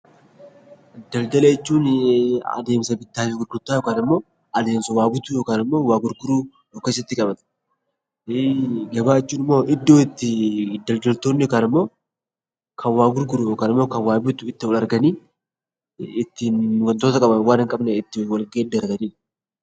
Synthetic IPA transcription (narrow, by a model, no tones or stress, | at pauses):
d̪̥ɐld̪ɐlejɛt͡ʃːuːnɐ̰d̪e̞ːmsɐbɪd̪ːaːfɪɡʊɾɡʊɾt̪ːaːjokaːnɪmːo̞ː | ɐleːnsɔwaːbɪt̪ʊjo̞ːkaːnɪmːo̞ːwaːɡʊɾɡʊɾuː | joːkesɐt̪ːɪkʼɐbɐt̪ɐ̥ | ɡɐbaːɪt͡ʃːuːnɪmːo̞ːʔɪd̪ːoːɪt̪ːɪd̪ɐld̪ɐlt̪oːnːɪjokaːnɪmːo̞ː | kʰɐwaːɡʊɾɡʊɾujoːkaːnɪmːo̞ːkɐwaːbɪt̪ʊɪt̪ːɪwɔlɐɾɡɐniː | ɪt̪ːɪnwɐnt̪o̞ːt̪ɐkʼɐbɐnwaːnɐŋkʼɐbnɛɪt̪ːɪwɐlɡeːd̪ɐɾɡɐniː